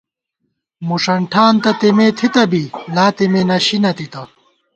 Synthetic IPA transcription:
muʂɐɳʈʰaːnt̪ɐt̪emeːt̪ʰit̪ɐbilaːt̪emeːnɐɕinɐt̪it̪ɐ

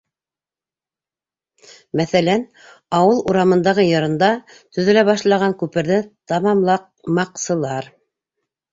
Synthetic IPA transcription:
mæθælæn | ɑwɤlˠuɾɑmɤ̆nd̪ɑʁɤjɤ̆ɾɤ̆nd̪ɑ | t̪ɵ̆ðɘ̆læβɑʃlˠɑʁɑŋkʉpɘ̆ɾðɘt̪ɑmɑmlˠɑq | mɑqsɤ̆lˠɑɾ

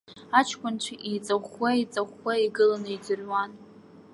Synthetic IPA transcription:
at͡ʃʰkʷʰʼʊnt͡ʃʷʰaʔijt͡sʼaχʷait͡sʼaχʷaiɡɨlanɨidɨrwan

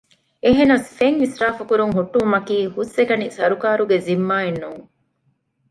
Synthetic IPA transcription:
eɦenɐsfeŋʋisɾaːfɐkuɾuŋɦuʈːumɐkiːhusekɐnisɐɾukaːɾuɡezimːaːenːuːŋ

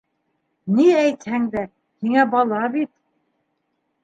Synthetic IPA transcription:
niæjt̪hæŋd̪æ | hiŋæbɑlˠɑbit̪̚

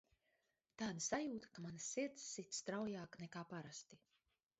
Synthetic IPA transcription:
t̪aːd̪asajuːt̪ḁkamanasːiɾt̪sːit̪st̪ɾawjaːknɛkaːpaɾast̪i

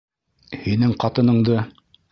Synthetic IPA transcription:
hinɘŋqɑt̪ɤ̆nɤ̆ɴd̪ɤ

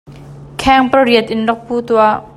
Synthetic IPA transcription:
kʰɛŋpəɹiət̪̚ʔɪnlɔk̚puːt̪ua

